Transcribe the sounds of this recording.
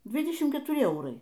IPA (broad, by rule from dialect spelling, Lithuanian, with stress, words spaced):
ˈdʲʋʲiːdʲɛʃʲɪm kʲɛtʊˈrʲɪ ˈɛʊrɐɪ